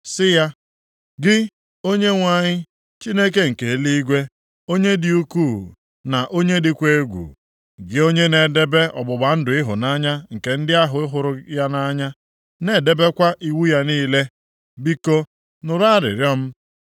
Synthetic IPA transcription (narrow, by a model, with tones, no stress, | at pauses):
sɪ˦ja˦ | ɡɪ˦ | o˦ɲe˦ŋʷa˦˨ɲɪ˦ | t͡ʃi˦ne˦k̬e˦ŋ̩˨ke˨li˦i˦ɡʷe˦ | o˦ɲe˦dɪ˦u˦kuː˦˨ | na˨ʔo˦ɲe˦dɪ˦kʷe˦ɡʷṵ˨ | ɡɪ˦o˦ɲe˦ne˨de˦be˦ɔ̰˨bʊ˨ɡ͡ba˨n̩˦dʊ˨ɪ˦ɦʊ̰˨na˦ɲa˦ŋ̩˨ke˨n̩˦dɪ˦a˦ɦʊ˨˦ɪ˦ɦʊ˨ɾʊ˦ja˦na˦ɲa˦ | ne˨de˦be˦kʷa˦ʔi˦wu˦ja˦niː˦le˦ | bi˦ko˦ | nʊ˨ɾa˦˨ɾɪ̰˨ɾjɔ˦m̩˦